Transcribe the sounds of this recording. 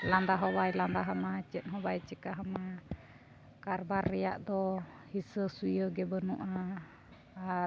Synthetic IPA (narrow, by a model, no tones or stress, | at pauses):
land̪aɦɔβailand̪aɦamat͡ʃit̪̚ɦɔbait͡ʃikaɦama | karbarija̰ʔd̪ɔ | hisəsuəɡɛbənṵʔaː